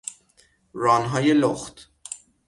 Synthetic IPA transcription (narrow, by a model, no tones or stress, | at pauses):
ɾɒːnɦɒːjeloxt̪